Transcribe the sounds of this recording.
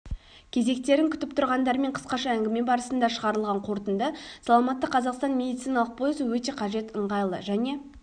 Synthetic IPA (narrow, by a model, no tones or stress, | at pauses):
kʲʰe̞ze̞k̚t̪e̞ɾɪŋkʲʰʏ̥t̪ɪpt̪ʰʊɾʁɑnd̪ɑɾme̞ɴqʰə̥sqɑʃɑæŋɡʲɪme̞bɑɾəsənd̪ɑʃəʁɑɾəlˠʁɑɴqʰo̞ɾt̪ənd̪əsɑlˠɑmɑt̪ːəqʰːɑzɑqst̪ɑnmʲe̞d̪ijt̪sijnɑlˠəq̚pʰo̞jəsəwɵt̪e̞qʰɑʒe̞t̪əɴʁɑjlˠə̰ʒæne̞